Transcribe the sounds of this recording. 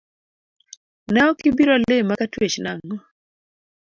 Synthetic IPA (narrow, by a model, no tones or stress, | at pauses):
nɛɔkɪbiɾalemːakatwet͡ʃnaŋŋɔ